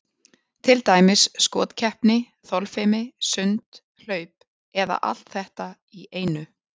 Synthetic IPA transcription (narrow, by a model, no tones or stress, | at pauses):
t̪ʰɪlt̪aːjmɪsːkɔ̰ːt̪cʰɛhpnɪ | θɔlfɪmɪsʏnt̪ | l̥œːɥp̚ | ɛða̰ʔa̰l̥t̪θɛht̪a | iʔeːjnʏ